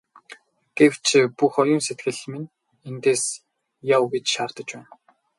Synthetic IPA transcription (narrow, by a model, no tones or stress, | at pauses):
ɡ̥ew̥t͡ɕʰpuxɔjʊːnset̪ɡɘ̆ɮmin | ent̪eːs | jawɣit͡ɕʃaːrt̪ə̆t͡ɕpæːn